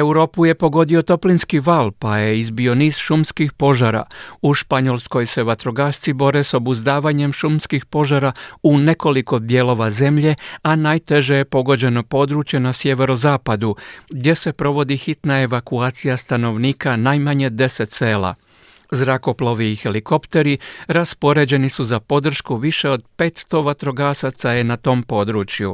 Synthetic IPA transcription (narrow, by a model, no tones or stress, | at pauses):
e̞wɾo̞ːpuje̞po̞ɡo̞d̪io̞t̪o̞plinskiʋalpaje̞izbio̞niːz̥ʃumskixpo̞ʒaɾa̰uʃpaɲo̞lˠsko̞jse̞ʋat̪ɾo̞ɡaːst̪sibo̞ɾe̞so̞buzd̪aːʋaɲe̞mʃumskixpo̞ʒaɾaune̞ko̞liko̞b̪je̞ːlo̞ʋaze̞mʎe̞anajt̪e̞ʒe̞jepo̞ɡo̞d͡ʑe̞no̞po̞ːd̪ɾut͡ʃje̞nasje̞ʋe̞ɾo̞zaːpad̪uɡd̪jese̞pɾo̞ʋo̞d̪ixit̪nae̞ʋakuaːt̪sijast̪ano̞ʋniːkanajmaɲe̞d̪e̞se̞t̪se̞ːla̰ | zɾako̞plˠoʋiːxe̞liko̞pt̪e̞ɾiɾaspo̞ɾe̞ːd͡ʑe̞nisuzapo̞d̪r̩ʃkuʋiʃe̞o̞d̪̚pe̞ːt̪st̪o̞ʋat̪ɾo̞ɡaːsat̪saje̞nat̪o̞ːmpo̞d̪ɾuːt͡ʃju